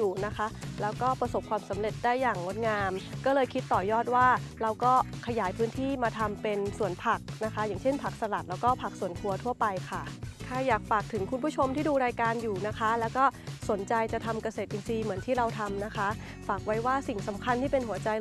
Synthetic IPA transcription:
juː˨˩na˦˥kʰa˦˥ʔlɛː˦˥wkɔː˥˩pɾa˧so˨˩p̚kʰwaː˧msa˩˦mɾe˨˩t̪̚daː˥˩jːaː˨˩ŋːo˦˥t̪̚ŋaː˧mkɔː˥˩lɤː˧jkʰi˦˥t̪ːɔː˨˩jɔː˥˩t̪̚waː˥˩ɾa˧wkɔː˥˩kʰa˧jaː˩˦jpʰɯː˦˥nt̪ʰiː˥˩maː˧t̪ʰa˧mpe˧nsu˨˩ənpʰa˨˩k̚na˦˥kʰa˦˥jaː˨˩ŋt͡ɕʰe˥˩npʰa˨˩k̚sa˧la˨˩t̪̚lɛː˦˥wkɔː˥˩pʰa˨˩k̚su˨˩ənkʰu˧ɐt̪ʰu˥˩ɐpa˧jkʰa˥˩kʰaː˧˩jaː˨˩k̚faː˨˩k̚t̪ʰɯ˨˩˦ŋkʰu˧npʰuː˥˩t͡ɕʰo˧mt̪ʰiː˥˩duː˧ɾaː˧jkaː˧njuː˨˩na˦˥kʰa˦˥lɛː˦˥wkɔː˥˩so˨˩˦nt͡ɕa˧jt͡ɕa˨˩t̪ʰa˧mka˧seː˨˩t̪̚ʔi˧nsiː˧mɯ˩˦ənt̪ʰiː˥˩ɾa˧wt̪ʰa˧mna˦˥kʰa˦˥ | faː˨˩k̚wa˦˥jwaː˥˩si˨˩ŋsa˩˦mkʰa˧nt̪ʰiː˥˩pe˧nhu˩˦ɐt͡ɕa˧j

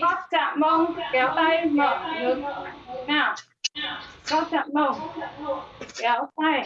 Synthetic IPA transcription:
ka˦˥t̚t͡ɕa̰ː˧˨mɓə˧˩wŋ͡mkɛ˨˦wt̪a˧jmə̰ː˧˨ɗɨ˨˦əŋ˦˨˦naː˨˩w | kɔ˦˥t͡ɕa̰ː˧˨mɓə˧˩wŋ͡m | kɛ˨˦wt̪a˧˩j

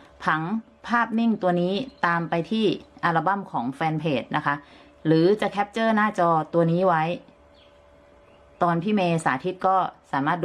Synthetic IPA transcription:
pʰa˩˦ŋ | pʰaː˥˩p̚ni˥˩ŋt̪u˧ɐniː˦˥t̪aː˧mpa˧jt̪ʰiː˥˩ʔa˧la˧ba˥˩mkʰɔː˩˦ŋfɛː˧npʰeː˨˩t̪̚nʔa˦˥kʰa˦˥ | ɾɯː˩˦t͡ɕa˨˩kʰɛ˦˥p̚t͡ɕɤː˥˩naː˥˩t͡ɕɔː˧t̪u˧ɐniː˦˥wa˦˥j | t̪ɔː˧npʰiː˥˩meː˧sa̰ː˩˦t̪ʰi˦˥t̪̚kɔː˥˩saː˩˦maː˥˩t̪̚d

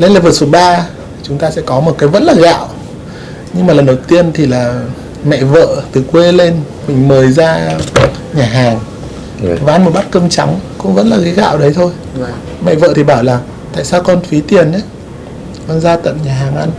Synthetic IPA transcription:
le˧nlaː˨˩vəː˧˩su˨˩t̚ɓaː˧˨˩ | t͡ɕʊ˨˦ŋ͡mt̪aː˧sɛ̰˧˥kɔ˨˦mo˨˩kaː˨˦jvə̰˧˥nlaː˨˩ɣa̰ː˧˨w | ɲɨ˧ŋmaː˨˩lə˨˩nɗə˨˩wt̪i˧ənt̪ʰi˨˩laː˨˩ | mɛ̰˧˨və̰ː˧˨t̪ɨ˨˩kwe˧le˧nmï˨˩ŋ̟məː˨˩jzaː˧ | ɲaː˨˩ɦaː˨˩ŋ | vaː˨ʔa˧nm˨˩t̚ɓa˦˥t̚kəː˧mt͡ɕa˨˦ŋkʊ̰˧˥ŋ͡mvə̰˧˥nlaː˨˩ɣa˨˦jɣa̰ː˧˨wɗə˨˦jt̪ʰo˧j | mɛ̰˧˨və̰ː˧˨t̪ʰi˨˩ɓaː˧˩wlaː˨˩ŋ | t̪a̰ː˧˨jsaː˧wkɔ˧nfi˨˦t̪i˨˩ənʔɛ˨˦ | kɔ˧nzaː˧t̪ə̰˧˨mɲaː˨˩ɦaː˨˩ŋʔa˧n

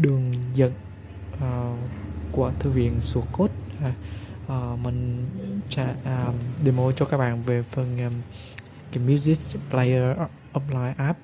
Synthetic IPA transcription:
ɗɨ˨˩əŋzə̰˧˨n | əː˨˩ku˨˧˩ət̪ʰɨ˧vḭ˧˨ənsu˨˩˦əko˦˥t̚haː˨˩ʔəː˨˩mï˨˩ŋ̟t͡ɕa˧˨ə˨˩mɗe˨˩mo˧t͡ɕɔ˧kaː˦˥k̚ɓa̰ː˧˨nve˨˩fə˨˩n˧˩ | kaː˨˦mju˧zi˦˥k̚pla˧jə˧ | ʔɔ˧˥p̚laː˧jʔaː˦˥p̚

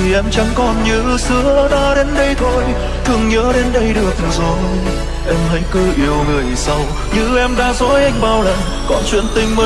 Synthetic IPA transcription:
ti˨˩ʔɛ˧mt͡ɕa˨˦ŋkɔ˨˩nɲɨ˧˥sɨ˧˦əɗaː˨˦ɗe˨˦nɗə˧jt̪ʰo˧j | t̪ʰɨ˨˩əŋɲəː˨˦ɗe˨˦nɗə˧jɗɨ˨˩ək̪̚zɔ˨˦ | ʔɛ˧mhə˨˦jkəː˧ʔi˧˩əwŋɨ˨˩əjsa˧w | ɲɨ̰˧˥ʔɛ˧mɗaː˧˥zɔ˨˦jʔa˧jŋ̟ɓaː˧˩wla̰˧˨˩ŋ | kɔ˨˩nt͡ɕwḭ˧˥ənt̪ï˧ŋ̟mə˨˧˦

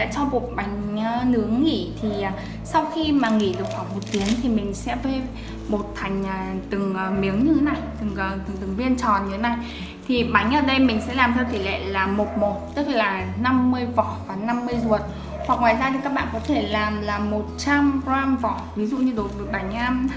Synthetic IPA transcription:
a̰ː˧˨˥t͡ɕɔ˧wku˨˩ək̚ɓa˨˦jŋ̟ə˧nɨ˨˦əŋːḭ˧˩˨t̪ʰiː˨˩˨ | sa˧wxi˧maː˨˩ŋḭ˧˩ɗɨ˨˩ək̚ha˨˩k͡p̚mo˨˩t̚t̪ːi˨˦əŋt̪ʰi˨˩mï˨˩ŋ̟sɛ̰˧˥vəː˨˦j | ɓo˨˩t̚t̪ʰa˨˩jŋ̟ʔəː˨˩t̪ɨ˨˩ŋəː˨˩mi˨˦əŋɲɨ˧t̪ʰe˨˦na˨˩jt̪ɨ˨˩ŋː˨˩t̪ɨ˨˩ŋt̪ɨ˨˩ŋvi˧ənt͡ɕɔ˨˩nɲɨ˧e˨˦na˨˩j | t̪ʰi˨˩ɓa˨˦ŋ̟ʔəː˧˩ɗə˧jmï˨˩ŋ̟sɛ̰˧˥laː˨˩mt̪ʰɛ˧wt̪i˧˩lḛ˧˨laː˨˩mo˨˩t̚mo˨˩t̚t̪ɨ˦˥k̚laː˨˩na˧mːɨ˧əjvɔ̰˧˨vaː˨˩na˧mːɨ˧əjzu˨˩ət̚ | hwa˨˩k̚ŋwaː˨jzaː˧t̪ʰi˨˩kaː˦˥ɓa̰ː˧˨kɔ˨˦t̪ʰe˧˩laː˨˩mlaː˨˩mo˨˩t̚t͡ɕa˧mzwaː˧ŋvɔ̰˧˨vi˨˦zṵ˧˨ɲɨ˧ɗo˨˩t̚ɗɨ˨˩k̚ɓa˨˩˦jŋ̟aː˧

